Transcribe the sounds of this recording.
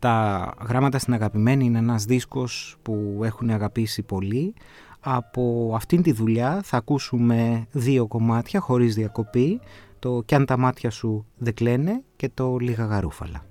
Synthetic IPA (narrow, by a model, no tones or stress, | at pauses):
t̪ɐɣɾɐmɐt̪ɐst̪inɐɣɐpime̞niineenɐzðisko̞spue̞xuneɐɣɐpisipo̞li | ɐpo̞ɐft̪int̪iðuʎɐθɐkusume̞ðio̞ko̞mɐt̪çɐxo̞ɾizðiɐko̞pit̪o̞cɐnt̪ɐmɐt̪çɐsuðe̞ɡle̞ne̞ce̞t̪o̞liɣɐɣɐɾufɐ̰lɐ̰